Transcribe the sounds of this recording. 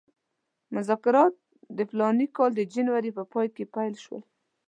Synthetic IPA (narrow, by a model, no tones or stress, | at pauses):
mʊzɑkɪɾɑt̪̚ | d̪əflɑnikɑld̪əd͡ʒanwaɾipəpɑjkepajlʃwə̰l